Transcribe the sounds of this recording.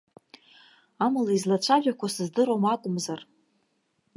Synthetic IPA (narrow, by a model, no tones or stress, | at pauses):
amalaizlat͡ʃʷʰaʒakʷʰasɨzdɨɾomatʼʊmzar